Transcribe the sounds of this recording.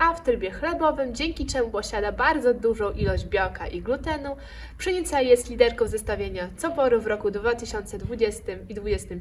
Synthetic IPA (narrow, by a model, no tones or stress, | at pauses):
aft̪ɾɘbʲjɛxlɛbɔvɘmd͡ʑɛŋkʲit͡ʂɛmupɔɕad̪abaɾd̪zɔd̪uʐɔ̃w̃ʔilɔʑd͡ʑbʲjɔkaʔiɡlut̪ɛnu | pʂɛɲit̪sajjɛst̪lʲid̪ɛɾkɔ̃w̃zɛst̪avʲjeɲat̪sɔbɔɾuvɾɔkud̪vat̪ɘɕɔnt̪sɛd̪vud͡ʑɛst̪ɘmid̪vud͡ʑɛst̪ɘm